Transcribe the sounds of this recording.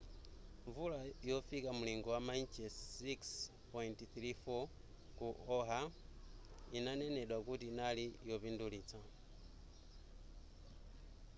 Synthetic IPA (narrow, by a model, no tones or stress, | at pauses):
ɱvulajofikamuliŋɡowamant͡ʃesiks | pointθɾifo | kuoɦa | inaneneɗwakutinalijoβindulit͡sa